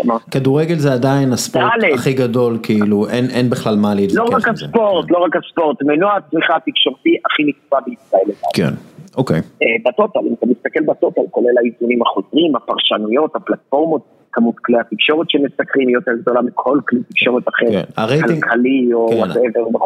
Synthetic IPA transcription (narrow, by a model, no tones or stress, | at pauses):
a̰makad̪uʁeɡe̞lzeadajinaspdoaleχiɡado̞lkiiluenʔenbiχlalmaleid̪loʁakaspoʁt̪lo̞ʁakaspo̞ʁt̪menoaat͡smiχaːt̪ikʃo̞ʁt̪iʔaχinit͡spabeit͡sbaeled̪a̰lkḛnokejebat̪ot̪alḭmat̪amist̪akelbat̪ot̪alkolelaizunimaχozʁimapaʁʃanujo̞t̪haplat̪fo̞ʁmo̞t̪̚ | kamut̪kliat̪ikʃo̞ʁet̪ʃemesakʁimijoteʁɡ̚d̪o̞lamikʰo̞lklit̪i̥kʃo̞ʁet̪aχeʁknaʁejaliɡkalioaneveʁbe